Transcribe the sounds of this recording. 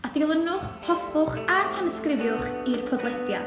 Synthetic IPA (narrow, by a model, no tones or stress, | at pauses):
adɪlˠənʊχhɔfʊχatʰɛnəskrɪvjʊχirpʰɔdlˠɛdja̰